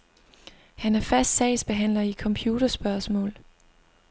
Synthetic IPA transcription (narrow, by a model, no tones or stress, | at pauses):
hænæɐfæsd̥sɛɪsb̥e̝ɦæn̰lɐikʰɒ̽mpʰjuːd̥ɐsb̥ɶɐsmɔ̰̽ːl